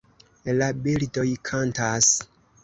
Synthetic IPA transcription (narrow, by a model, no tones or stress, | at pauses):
labildo̞jkʰantas